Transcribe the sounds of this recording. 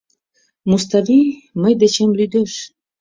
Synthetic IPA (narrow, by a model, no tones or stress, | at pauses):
must̪ɑviməjd̪et͡ɕemlyd̪eʃ